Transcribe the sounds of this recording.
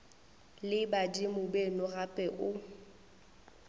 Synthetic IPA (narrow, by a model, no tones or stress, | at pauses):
lɪbadimʊbenʊrapʼɛʔʊ